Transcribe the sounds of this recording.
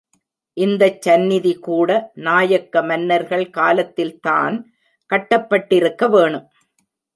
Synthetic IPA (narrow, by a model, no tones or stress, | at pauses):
ʔɪnd̪ɐt͡ʃːɐnːɪðikuːɽɐnaːjɐkːɐmɐnːɐɾɣɐɭkaːlɐt̪ːɪlt̪a̰ːn | kɐʈːɐpːɐʈːɪɾɯkːɐʋeːɳɯm